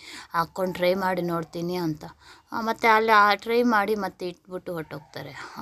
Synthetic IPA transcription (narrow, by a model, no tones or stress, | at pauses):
aːkːoɳɖʈɾɐjmaːɽinoːɽt̪iːniɐnt̪ɐmɐt̪ːeɐlːiaʈɾɐjmaːɽimɐt̪ːeiʈːbiʈːuɦoʈːoːɡ̚t̪aːɾe